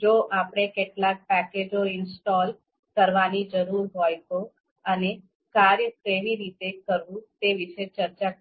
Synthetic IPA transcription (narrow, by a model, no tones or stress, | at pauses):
d͡ʒoʔapɽ̃ekeʈlak̚pɛked͡ʒoɪnsʈɔl | kəɾʋanid͡ʒəɾuɾɦojt̪o | əne | kaɾjəkeʋiɾit̪ekəɾʋũt̪eʋiʃet͡ʃəɾt͡ʃa